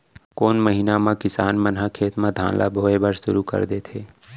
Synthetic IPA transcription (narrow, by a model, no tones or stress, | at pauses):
koːnməɦiːnamãkɪsaːnmənɦakʰeːt̪mãd̪ʱã̰ːnlʔa̰bʱoːebʱəɾʃʊ̰ɾukə̰ɾd̪et̪ʰeː